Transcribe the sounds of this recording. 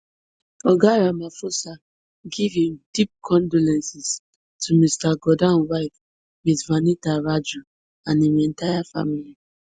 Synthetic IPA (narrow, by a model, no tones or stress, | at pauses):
ɔɡaɹamafosa | ɡivĩmdip̚kʰɔ̃ndɔlɛ̃nsis | tʰumistaɡɔdãnwaɪf | mitvanitaɹad͡ʒu | ãnimɛ̃ntajafa̰mili